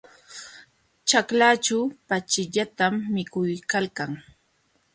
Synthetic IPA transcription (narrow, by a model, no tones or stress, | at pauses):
t͡ʃaklat͡ʃawpat͡ʃɪʎat̪amːɪkʊjkalkaŋ